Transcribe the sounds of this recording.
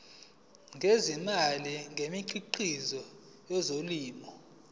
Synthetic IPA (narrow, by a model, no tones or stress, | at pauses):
ŋʱezimaliŋʱemiǃʰiǃizɔ | jɔzoliːmɔ